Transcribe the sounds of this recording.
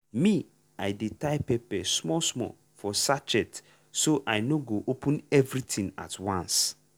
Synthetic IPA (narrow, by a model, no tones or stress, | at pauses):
mĩ | ajdetaɪpɛpɛsmɔsmɔ̰ | fɔsat͡ʃɛt | soʔaɪnoɡoʔopʰũnɛvɾitʰĩŋa̰twãns